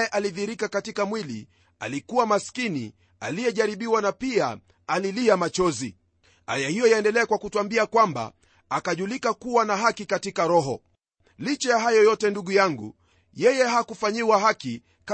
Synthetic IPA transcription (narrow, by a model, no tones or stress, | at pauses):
ɛʔaliðiɾikakatikamwilḭ | a̰likuwamaskinḭ | a̰lijɛʄaɾiɓiwanapia | aliliamat͡ʃɔzi | a̰jahijɔjaɛndɛlɛakwakutuambiakwamba̰ | akaʄulikakuwanaɦakikatikaɾɔɦɔ | lit͡ʃɛjaɦajɔjɔtɛnduɠujaŋɡṵ | jɛjɛɦakufaɲiwaɦaki | ka